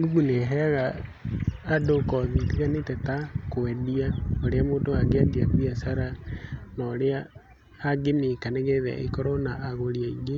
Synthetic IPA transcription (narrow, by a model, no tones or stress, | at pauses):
ɡuɣuneɦɛaɣaː | dokɔðitiɣanetɛtakoɛdiaoɾeamoːtoaɡeadiakwiasaɾanɔɾeaː | ɡemekaneɣɛðɛ̰ʔḛkɔɾɔnaʔːɣoɾiaiɡe